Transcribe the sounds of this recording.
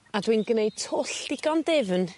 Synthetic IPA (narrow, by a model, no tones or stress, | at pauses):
adwinɡnejd̚tʰʊɬd̥ɪɡ̥ɔndɛvn